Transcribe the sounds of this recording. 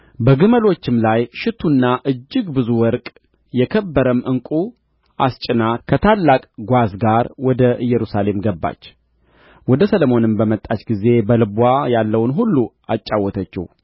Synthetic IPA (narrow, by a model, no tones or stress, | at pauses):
bəɡɨməlo̞t͡ʃːɪmlajʃɪt̪ʰunːaʔɨd͡ʒːɨɡbɨzuwɔɾkʼ | jɛkʰəbːəɾəmɨŋkʼu | ʔa̰st͡ʃʼɪnakʰət̪ʰalːakʼɡʷazɡaɾwɔd̪əʔɨjːɛɾusale̞mɡəbːa̰t͡ʃː | wɔd̪əsəlomo̞nɨmbəmət̪ʼːat͡ʃɡize̞bəlɨbwajalːəwnɦulːu | at͡ʃʼːawːɔt̪ʰət͡ʃːɪ̰h